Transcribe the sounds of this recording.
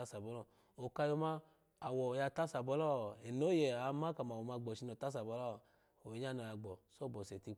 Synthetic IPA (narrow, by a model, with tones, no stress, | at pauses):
a˦sa˨bɔ˨˦lɔ˦˨ | o˨ka˧jɔ˧ma˧ | a˨wɔ˨ja˧˨ta˦sa˨bɔ˨˦lɔ˦˨ɛ˨no˦jɛ˨a˨˦ma˦ka˨ma˨wɔ˨ma˧˨ɡ͡bɔ˨ʃi˧nɔ˨ta˦s̬a˨bɔ˨˦lɔ˦˨ | o˨i˨˦ɲ˦a˦˨nɔ˨˧ja˧ɡ͡bɔ˨so˦˨bɔ˨sɛ˨ti˧